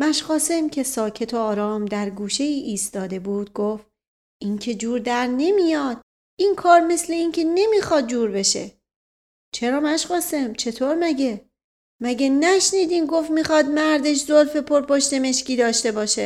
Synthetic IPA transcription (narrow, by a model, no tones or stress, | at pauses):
mæʃχɒːsemcʰe̞sɒːcʰe̞t̪ʰoɒːɾɒːmd̪æɾɡuːʃe̞iːʔiːst̪ɒːd̪e̞buːd̪̥̚ɡoːf | ʔincʲʰe̞d͡ʒuːɾd̪æɾne̞mijɒːd̪̥̚ | inkʰɒːɾme̞sle̞incʰe̞ne̞miːxɒːd̪̚d͡ʒuːɾbe̞ʃe̞̰ | t͡ʃʰe̞ɾɒːmæʃχɒːsemt͡ʃʰe̞t̪ʰoːɾmæɟe̞ | mæɟenæʃniːd̪iːmɡo̞fmixɒːd̪mæɾd̪e̞ʃ̬zolfe̞pʰoɾpoʃt̪e̞me̞ʃciːd̪ɒːʃt̪e̞bɒːʃe